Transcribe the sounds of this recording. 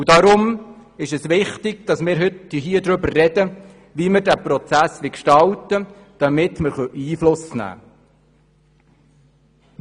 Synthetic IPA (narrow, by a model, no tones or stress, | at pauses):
udɑɾʊmɪʃɛsʋɪχt̪ɪɡ̥̚d̥ɑsmɪːɾɦʏt̪iɦiəd̪ɾɵbərːɛdə | ʋiməɾdæpɾɔt͡sæsʋɪkʃtɑlt̪ə | d̥ɑmɪt̪məɾχœʔiːflʊsnæ̰ː